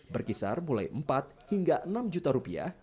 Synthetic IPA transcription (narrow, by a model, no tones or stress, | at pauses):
bərkisarmula̰jʔəmpat̪̚hiŋɡaʔənamd͡ʒut̪aɾupia̰h